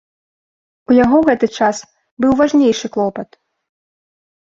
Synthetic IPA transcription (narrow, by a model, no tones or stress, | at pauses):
ujaɣɔɣɛt̪ɨt͡ʂas | bɨwvaʐnʲejʂɨklˠɔpɐt̪